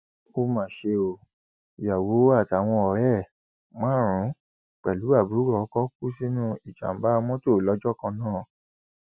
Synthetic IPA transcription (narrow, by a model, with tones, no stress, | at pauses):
o˧mã˨ʃe˧o˨ | ja˨wo˨˦a˦˨ta˨w̃ɔ̃˧ɔ˨ɾɛ˦˨ | mã˦˨ɾ̃ũ˨˦ | k͡pɛ˨lu˨˦a˦˨bu˨˦ɡɔ˧˨˦kɔ˦ku˦si˦nũ˦i˨d͡ʒa̰˨m̩˦ba˦˧mɔ̃˦to˦˨lɔ˨˦d͡ʒɔ˦˨kã˧nãː˦˨